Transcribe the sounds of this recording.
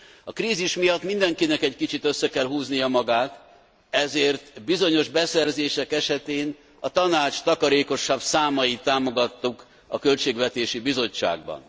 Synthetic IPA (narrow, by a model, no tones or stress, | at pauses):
ɒkɾiːziʃmijɒt̪ːmind̪ɛŋkinɛkɛckit͡ʃit̪ø̞sːɛkɛlɦuːznijɒmɒɡaːt̪ | ɛzeːrt̪bizo̞ɲo̞ʒbɛsɛrzeːʃɛkɛʃɛt̪eːn | ɒt̪ɒnaːt͡ʃt̪ɒkɒɾeːko̞ʃabsaːmɒjit̪ːaːmo̞ɡɒt̪ːuk | ɒ̰kø̞lt͡ʃeːɡʋɛt̪eːʃibizo̞t͡ʃːa̰ːɡ̚bɒ̰n